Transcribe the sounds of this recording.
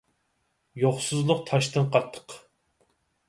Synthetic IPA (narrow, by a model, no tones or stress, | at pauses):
joχsɨzlˠʊq̚t̪ʰɑʃt̪ʰɨnqʰɑt̪ʰːə̥q